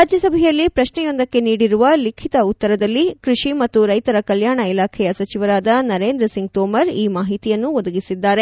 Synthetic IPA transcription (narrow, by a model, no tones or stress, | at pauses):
aːd͡ʒjɐsɐbʱɛjɐlːipɾɐʃɳɛjo̞nd̪ɐkːe̞niːɽiɾuʋɐlikʰit̪ɐut̪ːɐɾɐd̪ɐlːikɾuʂimɐt̪ːuɾɐjt̪ɐɾɐkɐljaːɳɐilaːkʰɛjɐsɐt͡ʃiʋɐɾaːd̪ɐnɐɾeːnd̪ɾɐsiŋɡ̚t̪oːmɐɾiːmaːɦit̪ijɐnːuʋod̪ɐɡisid̪ːaːɾe̞